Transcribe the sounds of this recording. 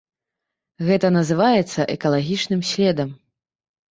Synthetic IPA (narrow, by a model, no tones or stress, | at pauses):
ɣɛt̪ɐnɐzɨvajɛt̪sːɐʔɛkɐlˠaɣʲit͡ʂnɨmsʲlʲɛd̪ɐm